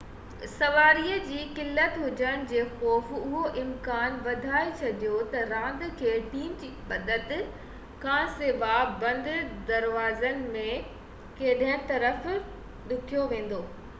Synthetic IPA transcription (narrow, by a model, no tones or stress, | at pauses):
sɐʋaːɾiːəd͡ʑiːkɪlːət̪ɦʊd͡ʑəɽ̃̆d͡ʑeːxɔːfʊɦoʔɪmkaːnʋɐd̪ʱaːet͡ɕʰɐɗijot̪ɐɾãːnd̪kʰeːʈiːmd͡ʑiːɓɐd̪ət̪ | kʰãːsɪʋabɐ̃nd̪ɪd̪ɐɾʋaːzənɪ̆mẽ | keːɗɦə̃t̪ɐɾəf | ɗʊkʰijoʋẽːn̆d̪oː